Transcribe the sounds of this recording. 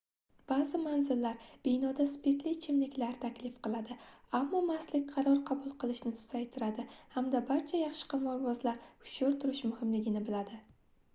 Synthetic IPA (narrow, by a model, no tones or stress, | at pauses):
b̥azɪmanzɪlːaɾb̥ɪjnɒd̪aspeɾt̪lɪt͡ʃʰɪmlɪkʲlaɾt̪ʰakʲlɪfqɨlˠad̪ɪamːɒmaslɪk̚ʲqʰɑɾɒɾqʰɑbʊlˠqʰɨlˠɪʃnɪt̪ʰʊ̥zajt̪ʰɪɾad̪ɪhamd̪abaɾt͡ʃʰajɑχʃɪ̥qʰɑmɒɾbɒzlaɾʊ̥ʃʊɾt̪ʰʊɾɪʃmʊhɪmlɪɡʲɪnɪbɪlad̪ɪ